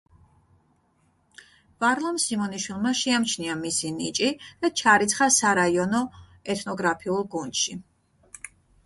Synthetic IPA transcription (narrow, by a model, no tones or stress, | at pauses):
v̥aɾlˠamsimɔniʃwilˠmaʃɛamt͡ʃʰniamisinḭt͡ʃʼid̪̥at͡ʃʰaɾit̪sʰχasaɾaiɔnɔ | ɛt̪ʰnɔɡɾapʰiulˠɡund̪̥ʃi